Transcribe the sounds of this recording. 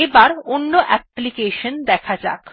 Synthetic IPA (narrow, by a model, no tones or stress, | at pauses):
ebaɾonːoʔɛplikeʃond̪ɛkʰad͡ʑa̰k